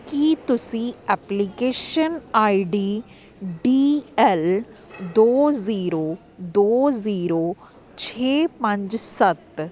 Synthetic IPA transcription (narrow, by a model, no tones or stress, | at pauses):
kit̪ʊsĩːɛːplikeːʃənaːiɖiː | ɖiːɛld̪oːziːɾoː | d̪oːziːɾoː | t͡ʃʰeːpə̃ɲd͡ʒsət̪